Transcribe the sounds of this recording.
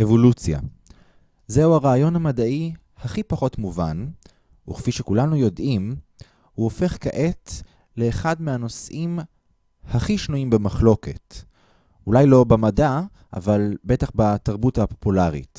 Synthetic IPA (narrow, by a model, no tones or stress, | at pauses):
ʔevo̞lut͡sja̰ | zeuaʁaːjo̞namadaʔi | haχipaχo̞tmuvan | uχfiʃekulanujo̞dʔim | huofe̞χkaʔe̞t | le̞ːχadmeano̞sʔim | haχiʃnuimbemaχlo̞ke̞̰t | ʔulajlo̞bemada | ʔa̰valbe̞taχbataʁbuthapo̞pulaʁḭt